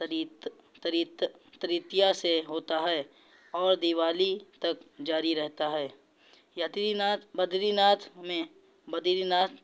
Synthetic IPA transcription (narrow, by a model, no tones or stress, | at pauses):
ɾit | t̪ɐɾitt̪əɾiːt̪ijaseɦoːt̪aɦɛː | ɔːɾd̪iʋaːlit̪ɐkd͡ʒaːɾiɾɛɦt̪aɦɛː | jɐt̪ibɐd̪ʱɾinaːt̪ʰmẽ | bɐd̪ɾinaːt̪